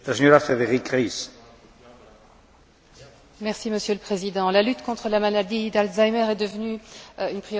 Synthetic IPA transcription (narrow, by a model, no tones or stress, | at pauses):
laseɲoɾafeðeʁikʁis | mɛʁsiməsjøləpχezid̪ɑ̃lalyt̪kɔ̃t̪χəlamalad̪id̪alt̪zajmɛʁɛd̪əvnyynpχijo